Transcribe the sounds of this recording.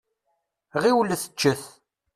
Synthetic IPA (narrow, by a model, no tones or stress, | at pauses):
ʁiwləθə̥t͡ʃːəθ